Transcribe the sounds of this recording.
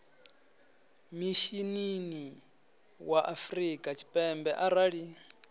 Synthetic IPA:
miʃinini | waʔafrikʼat͡ʃʰi̥pʼɛmbɛʔaɾaɺi

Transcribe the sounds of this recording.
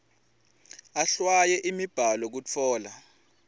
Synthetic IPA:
aɬwajɛʔimib̥ʱalɔk̬ut͡fʰɔːla

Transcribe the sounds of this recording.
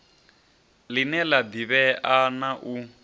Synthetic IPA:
linɛlabiβɛʔanaʔu

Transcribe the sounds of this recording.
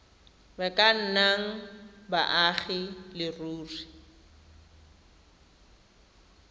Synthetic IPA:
bakʼan̩naŋ̩ba̰ʔaχɪlɪruːri

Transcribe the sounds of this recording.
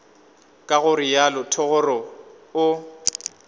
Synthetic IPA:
kʼaɣʊrɪjalʊtʰɔɣʊrɔ | ʊ

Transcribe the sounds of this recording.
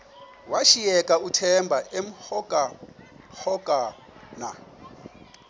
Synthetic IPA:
waʃiɛkʼautʰɛmbʱaʔem̩hɔkʼa | hɔkʼa | na

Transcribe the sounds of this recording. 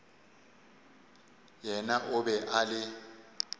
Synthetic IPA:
jɛnaʔʊbɛʔalɪ

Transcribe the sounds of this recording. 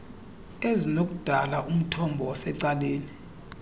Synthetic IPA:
ezinok̬ʼud̥ʱalaʔum̩tʰɔmbʱɔwasɛǀaleːni

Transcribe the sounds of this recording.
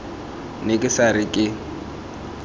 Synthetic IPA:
nɪkʼɪsaɾɪkʼɪ

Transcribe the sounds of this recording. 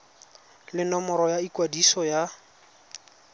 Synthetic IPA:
lɪnɔmɔɾɔjaikwadisɔja

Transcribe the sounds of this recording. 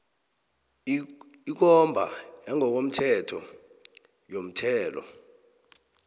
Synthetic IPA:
ik̬ɔmbʱa̰jaŋʱɔk̬om̩tʰɛtʰɔ | jom̩tʰɛːlɔ̰

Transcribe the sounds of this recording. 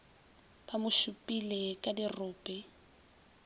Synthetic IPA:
pamʊʃupʼilɛkʼadirʊːpʼɛ

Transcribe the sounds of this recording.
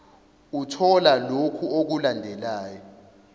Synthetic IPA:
utʰɔlalokʰuok̬ulandʱɛlaːjɔ

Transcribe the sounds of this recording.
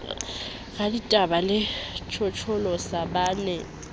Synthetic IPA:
ɣaditʼabalɪt͡ʃʰɔt͡ʃʰɔlɔsabaːnɛ

